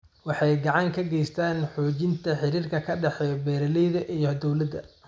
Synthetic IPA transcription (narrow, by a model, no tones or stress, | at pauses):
wɑħɑjɡɑʕɑŋkʰɐɡɛjst̪ʰaːnħɔːt͡ʃɪnt̪ʰɐħɪɾiːrkʰɐkʰɐɖɛħɛbɛːɾɐlɛjðɐʔijɔd̪ɔwlɐd̪ɐ̰